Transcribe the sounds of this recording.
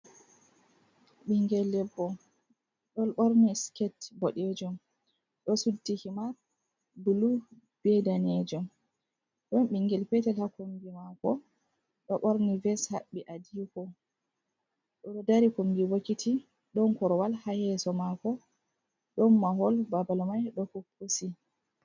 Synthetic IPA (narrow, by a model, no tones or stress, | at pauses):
ɓiŋɡɛlːɛbːɔ | ɗɔlɓoɾniskɛtbɔɗɛd͡ʒɔm | ɗɔsudːihimaɾ | bulu | b̥ɛdanɛd͡ʒɔm | ɗɔnɓiŋɡɛlpɛtɛlhakombimakɔ | ɗɔɓoɾnivɛshaɓːiʔadikɔ | ɗɔɔdaɾikombiwokitʰi | ɗɔnkɔɾɔwalhahɛsɔmakɔ | ɗɔnːaɦɔlbabalmajɗɔhupʰːusi